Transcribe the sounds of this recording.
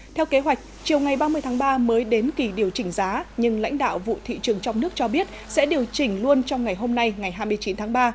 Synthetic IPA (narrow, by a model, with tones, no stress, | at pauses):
t̪ʰɛ˧wke˨˦ɦwa˨˩jk̟̚t͡ɕi˨˩əwŋa˨˩jɓaː˧mɨ˧jt̪ʰaː˨˦˥ɓaː˧məː˨˦jɗe˨˦nki˧˩ɗi˨˩əwt͡ɕï˧˩ŋ̟zaː˨˦ɲɨ˧ŋla̰˧˥jŋ̟ɗa̰ː˧˨wvṵ˧˨t̪ʰḭ˧˨t͡ɕɨ˨˩əŋt͡ɕɔ˧wŋ͡mnɨ˦˥ək̚t͡ɕɔ˧ɓi˦˥ət̚sɛ̰˧˥ɗi˨˩əwt͡ɕï˧˩ŋ̟lu˧ənt͡ɕɔ˧wŋ͡mŋa˨˩jɦo˧mna˧jŋa˨˩jɦaː˧jmɨ˧əjt͡ɕi˨˦nt̪ʰaː˨˦ŋɓaː˧